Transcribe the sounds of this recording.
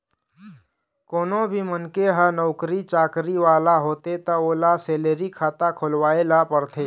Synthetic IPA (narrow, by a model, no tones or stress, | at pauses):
konobʱiːmənkeɦənəwkɾit͡ʃakɾiʋalaɦot̪et̪əolaseleɾikʰat̪akʰolʋaelapəɾt̪ʰe